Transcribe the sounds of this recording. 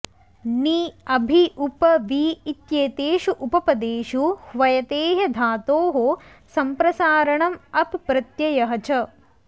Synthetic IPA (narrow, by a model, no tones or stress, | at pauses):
niɐbʱiʔupɐʋiːt̪jeːt̪eːʃuʔupɐpɐd̪eːʃuhʋɐjɐt̪eːɦɐd̪ʱaːt̪oːɦo | sɐmpɾɐsaːɾɐɳɐmɐpːɾɐt̪jɐjɐɦɐt͡ʃɐ